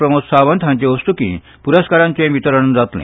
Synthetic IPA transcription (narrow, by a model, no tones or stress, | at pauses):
pɾəmuksaʋənt̪ʰãɲt͡ɕẽʋəst̪ukḭ̃ | puɾəskaɾãɲt͡ɕẽʋit̪əɾəɳd͡zat̪lḛ̃